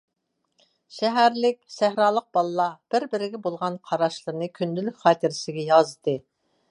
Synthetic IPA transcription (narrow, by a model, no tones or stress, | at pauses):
ʃɛɦæɾlɪkʲsæhɾɑːlˠəq̚b̥ɑlˠlˠɑb̥ɪɾbɪɾɪɡʲɛbolˠʁɑnqʰɑɾɑʃlˠɨɾɨnɨkʲʰynd̪ylyk̚ʲχɑːt̪ʰɪɾɪsɪɡʲɛjɑzd̪ɨ